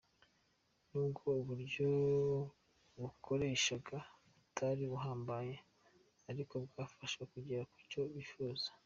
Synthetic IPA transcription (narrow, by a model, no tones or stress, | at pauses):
nuːbɡo̞uβuɾɟo̞ | βukʰo̞ɾeːʃaɡa | utʰaɾiβuɦaːmbaje̞ | aɾiko̞bɡaːfaʃwekuɟiɾaku̥co̞βifuzḁ